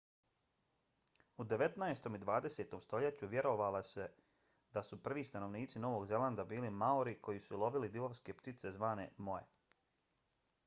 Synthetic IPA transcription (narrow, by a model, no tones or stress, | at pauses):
ud̪e̞ʋe̞t̪naest̪o̞mid̪ʋaːd̪e̞se̞ːt̪o̞mst̪o̞ʎet͡ɕuʋje̞ɾo̞ʋalase | d̪asupr̩ʋiːst̪ano̞ʋniːt̪sino̞ʋo̞ɡze̞land̪abiːlimaoɾiko̞jisulˠo̞ʋilid̪iʋoʋske̞pt̪it̪se̞zʋaːne̞̰mo̞jḛ